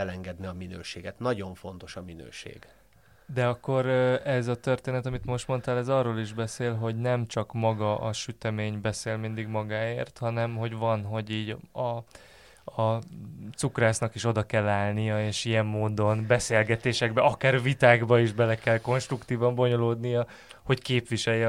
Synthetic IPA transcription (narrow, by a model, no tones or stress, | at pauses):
ɛlɛŋɡɛd̪niɒminø̰ːʃeːɡɛt̪nɒɟo̞ɱfo̞nt̪o̞ʃɒminø̰ːʃḛːɡ̥ | d̪ɛɒkːo̞ɾɛzɒt̪ørt̪eːnɛt̪ɒmit̪mo̞ʃt̪mo̞nt̪aːlɛzɒːrːoːliʒbɛseːlɦo̞ɟnɛmt͡ʃɒkmɒɡɒʔɒʃyt̪ɛmeːɲbɛseːlmind̪iɡmɒɡaːeːrt̪hɒnɛmɦo̞ɟvɒnɦo̞ɟiːɟɒ | ɒt̪sukraːsnɒkiʃo̞d̪ɒkɛlːaːlnijɒeːʃijɛmːoːd̪o̞nbɛseːlɡɛt̪eːʃɛɡbɛʔɒkaːrvit̪aːɡbɒiʒbɛlɛkɛlko̞nʃt̪rukt̪iːvɒmbo̞ɲo̞loːd̪nijɒ | ho̞ckeːpʋiʃɛjjɛ